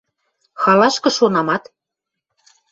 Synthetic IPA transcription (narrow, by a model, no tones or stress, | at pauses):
xɑlɑʃkɤ̆ʃonɑmɑt̪